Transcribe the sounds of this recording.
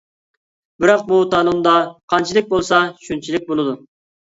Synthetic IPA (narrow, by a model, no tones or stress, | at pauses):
bɪɾɑq̚but̪ʰɑlˠund̪ɑqʰɑnt͡ʃʰilˠɪk̚ʲbolˠsɑʃynt͡ʃʰilɪk̚ʲbolˠɨd̪u